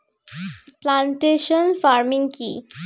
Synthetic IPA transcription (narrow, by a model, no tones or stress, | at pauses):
plaɳʈeʃonfaɾmiŋkḭ